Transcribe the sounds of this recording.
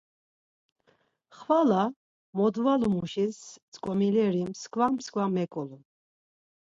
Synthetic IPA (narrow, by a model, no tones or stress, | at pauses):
χvala | mɔd̪valumuʃist͡sʼkʼɔmilɛɾimskʰvamskʰvamɛkʼɔlu